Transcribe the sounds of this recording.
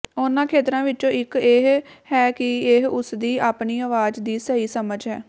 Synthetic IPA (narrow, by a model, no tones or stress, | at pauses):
ʊnãːkʰeːt̪ɾãːʋɪt͡ʃõːɪkeːɦhɛːkɪeɦʊsd̪iːʔaːpniːəːʋaːd͡ʒd̪iːsəiːsəməd͡ʒɦɛ̰ː